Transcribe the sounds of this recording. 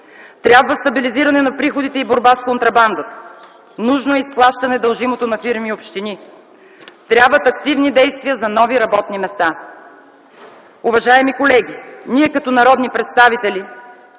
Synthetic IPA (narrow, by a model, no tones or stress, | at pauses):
t̪ɾʲjabvəst̪ɐbiliziɾɐnɛnɐpɾixod̪it̪ɛiboɾbaskont̪ɾɐband̪ət̪ | nuʒnoɛisplˠaʃt̪ɐnɛd̪ɐlˠʒimot̪onɐfiɾmiopʃt̪ini | t̪ɾʲabvət̪ɐkt̪ivnid̪ɛjst̪vijəzɐnɔviɾɐbɔt̪nimɛst̪a | uvɐʒaɛmikolɛɡʲiniɛkɐt̪ɔnɐɾɔd̪nipɾɛt̪st̪avit̪ɛlʲi